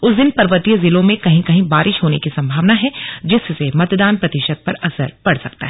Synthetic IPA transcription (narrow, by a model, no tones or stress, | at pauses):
ʊsd̪ɪnpɐɾʋət̪ijəzɪlõmẽkɐɦĩkɐɦĩbaːɾɪʃɦoːnekisɐ̃mbʱaːʋnaɦɛd͡ʒɪssemɐt̪d̪aːnpɾɐt̪ɪʃəd̪̚pɐɾɐsə̰ɾpɐɽsɐk̚t̪a̰ɦɛ